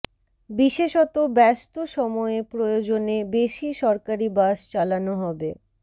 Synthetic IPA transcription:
biʃeʃɔt̪obɛst̪oʃɔmɔepɾojod͡ʑonebeʃiʃɔɾkaɾibaʃt͡ɕalanoɦɔbe

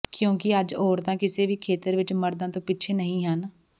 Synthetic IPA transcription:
kjõːkɪəd͡ʒɔːɾt̪ãːkɪseːʋiːkʰeːt̪əɾʋɪt͡ʃməɾd̪ãːt̪õːpɪtːt͡ʃʰeːnəɦĩːɦən

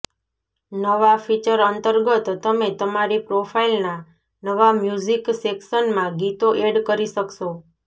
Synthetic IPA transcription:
nəʋafit͡ʃəɾənt̪əɾɡət̪ːəmet̪əmaɾipɾofʰailna | nəʋamjuziksekʃənmãɡit̪oʔeɖkəɾiʃəkʃo

